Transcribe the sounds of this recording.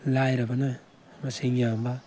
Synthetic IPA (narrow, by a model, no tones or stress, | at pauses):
lajɾabana | maseŋamba